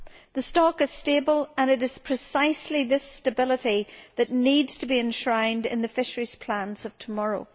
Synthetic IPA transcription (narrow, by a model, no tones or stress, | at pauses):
ðəstɔkɨz̥stebəlˠə̃nɨɾɨz̥pʰɹ̥ɪsaɪsliðɪstəbɪlˠəɾiðɨʔⁿnidz̥tʰəbiɨ̃nʃɹãɪ̃ndɪ̰̃nðɨfɪʃəɹiz̥pʰl̥ãnz̥ʌv̥tʰəmɔɹo̰ʊ